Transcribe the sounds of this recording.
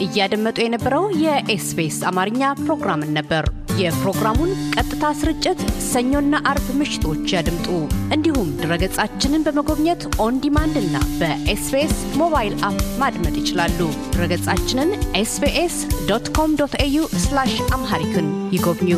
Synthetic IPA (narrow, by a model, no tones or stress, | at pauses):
ʔɨjːad̪əmːət̪ʼujɛnəbːəɾəwjɛʔesbesamaɾɨɲːapɾo̞ɡɾamɨnːəbːəɾ | jɛpɾo̞ɡɾamunkʼət̪ʼːɨt̪ʰasɨɾɨt͡ʃʼːɪt̪səɲːo̞nːaʔaɾbmɨʃɪ̥t̪ʰo̞t͡ʃːjad̪ɨmt̪ʼuʔɨnd̪ihumd̪ɨɾəɡət͡sʼat͡ʃːɪnɨnbəməɡo̞βɲət̪ʔo̞nd̪imand̪ɨnːa̰bəʔesbesmo̞βajlʔapmad̪mət̪ʼjɪt͡ʃɪlalːud̪ɨɾəɡət͡sʼat͡ʃːɪnɨnʔesbeʔesd̪ot̪kʰo̞md̪ot̪ejuslaʃamɦaɾit̪ʰɨnjɪɡo̞βɲu